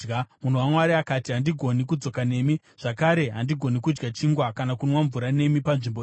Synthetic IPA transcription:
ɡmun̤owamwaɾiakaːtiɦandiɡʱo̞nik̬ud͡zo̞kane̞ːmi | ʐ̥akaɾe̞ɦandiɡʱo̞nikud͡ʒɡat͡ʃiŋɡwakanakunwaɱvuɾane̞mipanʐimbo

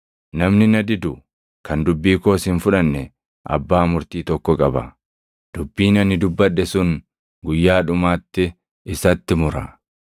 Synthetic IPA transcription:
nɐmnɪnɐd̪ɪd̪ʊ | kʰɐnd̪ʊbːiːko̞ːsɪnfʊᶑɐnːɛ | ʔɐ̰bːaːmʊɾt̪iːt̪ɔkːɔkʼɐbɐ̰ | d̪̥ʊbːiːnɐnːɪd̪ʊbːɐᶑːɛsʊn | ɡʊjːaːᶑʊmaːt̪ːɪ | ɪsɐt̪ːɪmʊɾɐ

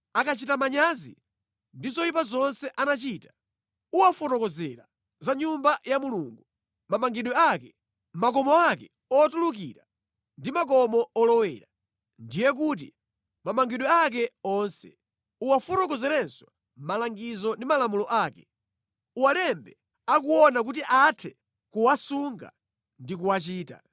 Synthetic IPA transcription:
akat͡ʃitamaɲazḭ | ndizɔip̬azɔnsɛʔanat͡ʃiːtḁ | uwafɔɾɔkɔzɛɾa | zaɲumbajamuluːŋɡu | mamaŋɡiɗwɛakɛ | mak̬ɔmɔakɛ | ɔatulukiɾa | ndimak̬ɔmɔɔlɔwɛːɾa | ndijɛk̬ut̬ḭ | mamaŋɡiɗwɛak̬ɛɔnsɛ̰ | uwafɔɾɔkɔzɛɾɛnswa | malaŋɡizɔndimalamulɔʔaːkɛ̥ | uwalɛmbɛ | akuɔnak̬ut̬iʔatʰɛ | kuwasuŋɡa̰ | ndik̬uwat͡ʃiːta̰

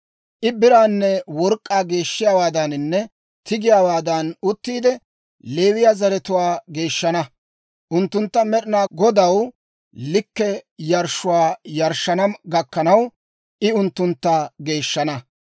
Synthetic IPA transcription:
ʔɪbɪɾaːnːɛwɔɾkʼːaːɡe̞ːʃːɪjaːwaːd̪ɐnnːɛ | t̪ɪɡɪjaːwaːd̪ɐnʊt̪ːiːd̪ɛ | le̞ːwɪjaːzɐɾɛt̪ʊwaːɡe̞ːʃːɐnɐ | ʔʊnt̪ːʊnt̪ːɐmɛɗɪnaːɡɔd̪ɐw | lɪkːɛjɐɾʃːʊwaːjɐɾʃːɐnɐɡɐkːɐnɐw | ʔɪʊnt̪ːʊnt̪ːaɡe̞ːʃːɐnɐ

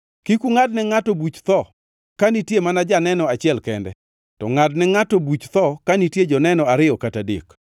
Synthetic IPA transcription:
kikuŋadnɛŋatobut͡ʃt̪ɔ | kanitjemanad͡ʒanɛnɔat͡ʃɪɛlkɛndɛ̰ | tɔŋadnɛŋatɔbut͡ʃt̪ɔkanitjed͡ʒɔnɛnɔaɾɪɔkatadḭk

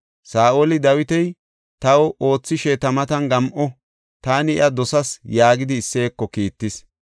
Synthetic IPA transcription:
saːʔolɪd̪ɐwɪt̪ɛj | t̪ɐwɔo̞ːt͡sːɪʃɛt̪ɐmɐt̪ɐnɡɐmʔɔ | t̪aːnɪɪ̰ʔɐd̪ɔsɐsjaːɡɪd̪ɪːsːe̞ːkːɔkiːt̪ːɪs

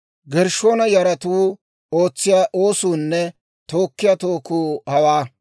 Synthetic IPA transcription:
ɡɛɾʃo̞ːnɐjɐɾɐt̪uː | o̞ːt͡sːɪjaːʔo̞ːsuːnːɛ | t̪o̞ːkːɪjat̪oːkuːhɐwaː

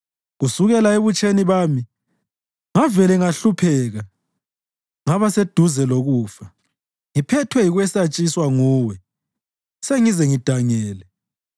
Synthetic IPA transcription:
ɣusuɣɛlaeβut͡ʃʼeniβaːmi | ŋavɛlɛŋaɬupʰɛːɣa | ŋaβased̥ʱuzɛloɣuːfa | ŋipʰɛtʰwɛjiɣwɛsat͡ʃʼiswaŋuːwɛ | seŋizɛŋid̥ʱaŋɛːlɛ

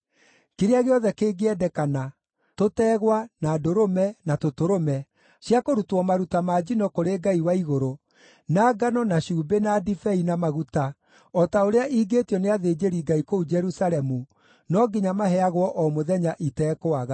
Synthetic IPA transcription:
keɾeaɣeɔðɛkeːɡeɛdɛkana | totɛːɣwanaːdoɾomɛnatotoɾomɛ | ɕjakoɾutɔmaɾutamad͡ʑinɔkoɾeɡaiwaiɣoɾo | naːɡanɔnaɕuːbenadifɛinamaɣuta | ɔtaoɾeaʔiːɡeːtiɔneaðeːd͡ʑeɾiɡaikoud͡ʒɛɾusaɾɛmu | nɔɡiɲamaɦɛaɣwɔʔɔmoðɛɲaʔitɛːkoaɣa

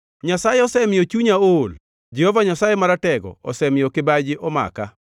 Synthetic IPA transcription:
ɲasajeɔsɛmɪjot͡ʃuɲaol | d͡ʒɛhɔvaɲasajemaɾatɛɡɔ̰ɔ̰sɛmɪjokɪbad͡ʒɪʔɔma̰ka

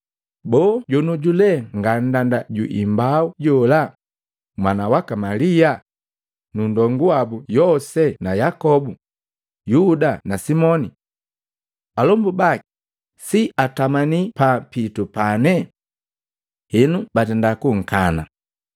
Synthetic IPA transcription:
bɔːɟɔnuɟulɛŋɡan̩dandaɟṵʔimbauɟɔla | mwanawakamalia | nundɔŋɡuabujɔsɛnajakɔbu | judanasimɔni | alɔmbubaki̥ | siatamanipapitupanɛ | hɛnubatɛndakuŋ̩kana̰

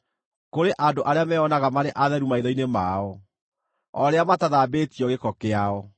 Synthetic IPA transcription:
koɾeʔadoʔaɾeamɛɔnaɣamaɾeʔaðɛɾumaiðɔinemaːɔ | ɔɾeamataðaːbeːtiɔɣekɔkeaɔ

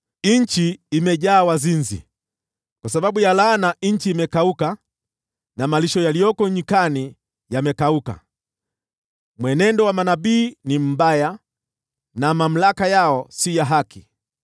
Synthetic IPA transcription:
iɲ̩t͡ʃiːmɛʄaːwazinzḭ | kwasaɓaɓujalaːnaɲ̩t͡ʃiːmɛkauka | namaliʃɔjalijɔkɔɲikani | jamɛkauka̰ | mwɛnɛndɔwamanaɓiːnim̩baja | namam̩lakajaɔsijaɦakʰi

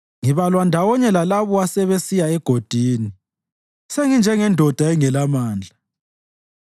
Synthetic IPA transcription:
ŋiβalwandʱawɔɲɛlalaβɔasɛβesijaɛɡ̥ʱod̥ʱiːni | seŋind͡ʒʱɛŋɛndʱɔd̥ʱaɛŋɛlamaːnd͡ɮʱa

